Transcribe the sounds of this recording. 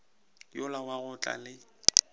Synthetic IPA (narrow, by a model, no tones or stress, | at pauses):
jʊlawaɣʊt͡ɬʼa̰lɪ